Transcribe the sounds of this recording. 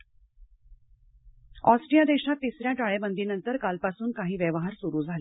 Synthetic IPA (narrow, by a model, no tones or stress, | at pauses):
ɔsʈɾijad̪eɕat̪̚t̪ːisɾjaʈaɭebənd̪iːnənt̪əɾkalpasuːnkaɦiːʋjeʋɦaɾsuɾuːd͡zʱale